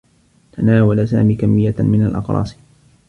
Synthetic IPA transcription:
t̪anaːwalasa̰ːmiːkamːɪjːamɪnalʔɑ̰qɾˤɑ̰ːs

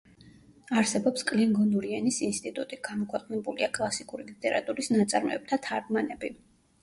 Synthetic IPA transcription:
aɾsɛbɔpskʼlɛŋɡɔnuɾiɛnisinst̪ʼit̪ʼut̪ʼiɡ̥amɔkʰwɛqʼnɛbuliakʼlˠasikʼuɾilit̪ʼɛɾa̰t̪ʼuɾisnat̪sʼaɾmɛ̰ːb̚t̪ʰat̪ʰaɾɡmanɛbi

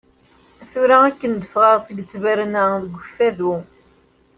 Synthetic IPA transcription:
æθuɾaækːənd̪əfʁəʁsəɡət͡sːvæɾnæðəɡʷːəfːæðu

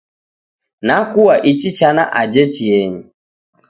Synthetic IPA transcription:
nakuwaʔit͡ʃit͡ʃana̰ʔad͡ʒɛt͡ʃiɛɲi

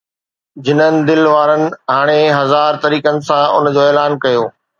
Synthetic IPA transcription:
d͡ʑɪnənɪ̆d̪ɪlʋaːɾənɪ̆ɦaːɽ̃eɦɐzaːɾt̪ɐɾiːkənɪ̆sãʊ̰nd͡ʑoːeːlaːnkɐjoː

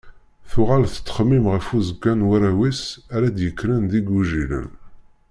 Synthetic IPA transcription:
θʊʁalθə̥t̪ːə̥χəmːimʁəfuzəɡːænwæɾæwisæɾæd̪jəkːɾənd̪iɡuʒilə̰n

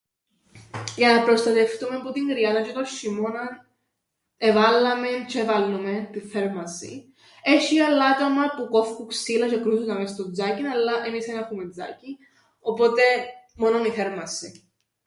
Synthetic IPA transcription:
jɐnɐpɾost̪ɐt̪eft̪umepot̪iŋɡɾiɐnɐt͡ʃet̪oʃimonɐn | evɐlːɐment͡ʃʰevɐlːoment̪iθeɾmɐsḭ | eʃiɐlːɐt̪omɐpukofkuksilɐt͡ʃekɾusunɐmest̪od͡zɐcinɐlːɐʔemisenɐxumed͡zɐ̰ci | o̞po̞t̪e̞mo̞noniθeɾmɐsi

